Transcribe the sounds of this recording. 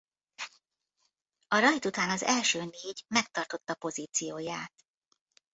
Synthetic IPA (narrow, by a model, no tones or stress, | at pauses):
ɒɾɒjt̪ut̪aːnɒzɛlʃøːneːɟmɛk̚t̪ɒrt̪o̞t̪ːɒpo̞ziːt̪sijoːjaːt̪